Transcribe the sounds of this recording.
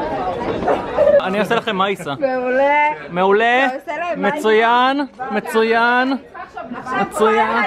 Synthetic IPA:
anioselaχe̞mːaisamulmeulemet͡sujanme̞t͡sujan | met͡sujan

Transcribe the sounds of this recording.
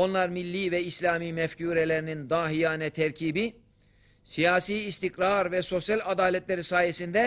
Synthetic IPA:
o̞nlˠaɾmilʲːiːvɛislʲaːmiːmɛfcʰuːɾelʲeɾinind̪aːɦijaːnɛt̪ʰɛɾcʰiːbi | sijaːsiːst̪ʰikɾaɾvɛso̞sjalʲad̪aːlʲɛt̪lʲeɾisaːjesind̪ɛ

